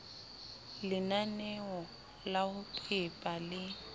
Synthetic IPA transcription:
lɪnanɛɔ | laɣʊpʰʼɪpʼalɪ

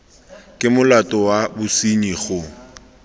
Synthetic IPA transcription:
kʼɪmʊlatʼɔwabʊsiɲiχʊ

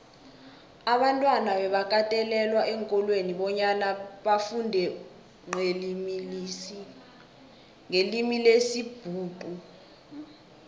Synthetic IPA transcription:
aɓantʼwanaɓɛɓakʼatʼɛlɛlwaʔɛŋkʼɔlweniɓɔɲanaɓafundʱɛ | ŋ͡ǁʱelimilisi | ŋelimilesib̥ʱuːǃʼu

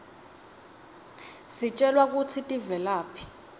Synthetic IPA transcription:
sit͡ʃʼɛlwak̬ut͡sʰitʼivɛlaːpʰi̥

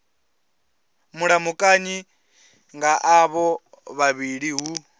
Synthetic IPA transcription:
muɺamukʼaɲi | ŋɡaʔaβɔ | βaβiɺiɦu

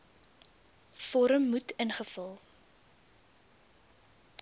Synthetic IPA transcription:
fɔɾəmːutənχəfəlˠ

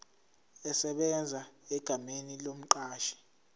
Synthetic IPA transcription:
ɛsɛɓɛnd͡zʱaɛɡ̥ʱamenilom̩ǃaːʃi̥

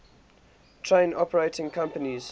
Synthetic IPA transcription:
tʰɹ̥ẽɪ̃nɔpəɹeɪtʰɪ̃ŋkʰãmpəniz̥

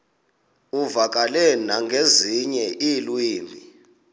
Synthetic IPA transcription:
uvak̬ʼalɛnaŋɡʱeziɲɛʔilwiːmbʱi

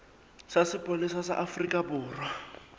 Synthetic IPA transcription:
sasɪpʼolisasa̰ʔafrikʼabʊːrwa

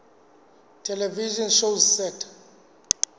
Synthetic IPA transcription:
tʰɛlɛviʒɔnʃowzsɛtʰḁ

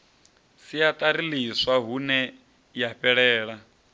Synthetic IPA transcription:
sijat̪ʼaɾiliswaɦunɛ | jaɸɛɺɛːɺa

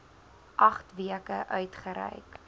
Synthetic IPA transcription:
ʔɐχtviəkəʔœɥtχəɾɛ̰jk

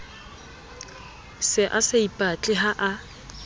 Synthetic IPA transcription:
sɪʔasɪipʼat͡ɬʼɪɦaʔa

